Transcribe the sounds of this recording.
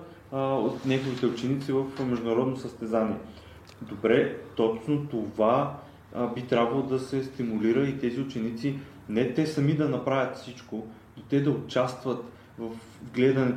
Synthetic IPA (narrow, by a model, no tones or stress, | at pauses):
ot̪nʲaɡovit̪ɛʊt͡ʃɛnit̪sivəfmɛʒd̪ʊnɐɾɔd̪nosəst̪ɛzaniɛ | d̪obɾɛt̪ɔt͡ʃnot̪ova | bit̪ɾʲabvɐlˠod̪ɐsɛst̪imuliɾəit̪ɛziʊt͡ʃɛnit̪si | nɛt̪ɛsɐmid̪ɐnɐpɾavʲət̪fsit͡ʃko | d̪ot̪ɛd̪ɐʊt͡ʃast̪vɐt̪ | vɐf | ɡlɛd̪ɐnɛ